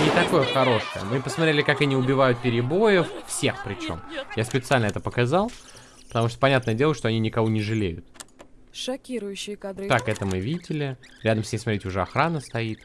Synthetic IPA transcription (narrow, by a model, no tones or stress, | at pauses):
nʲɪt̪ɐko̞jəxɐɾo̞ʂɨjə̰mɨpəsmɐt̪ɾʲelʲɪkakɐnʲiʊbʲɪvajʊt̪̚pʲɪɾʲɪbo̞jəffsʲe̞xpɾʲɪt͡ɕo̞̰mjaspʲɪt̪sɨalʲnəɛt̪əpəkazalˠ | pə̥t̪ɐmuʂt̪ə̥pɐnʲat̪nəjədʲelˠəʂt̪oɐnʲinʲɪkɐvonʲɪʐɨlʲejʊt̪ | ʂɐkʲiɾʊjʉɕːɪjəkad̪ɾɨt̪akɛt̪əmɨvʲidʲɪlʲɪɾʲad̪əmsʲnʲemsmɐt̪ɾʲetʲʊʐɛɐxɾanəst̪ɐit̪